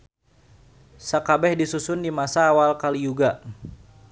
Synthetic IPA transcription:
sakabɛhdisusʊndimasaːwalkalijuɡaʔ

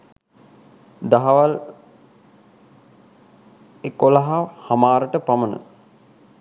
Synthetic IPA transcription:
d̪aɦaʋal | ekolaɦahamaːɾəʈəpamənə̰

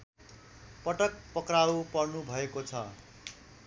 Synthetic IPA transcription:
pʌʈʌk̚pʌkrawpʌrnubʱʌekot͡sʰʌ̰

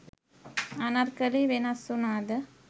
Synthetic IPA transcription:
ɐnɐɾkɐliʋenɐsunaːd̪ɐ

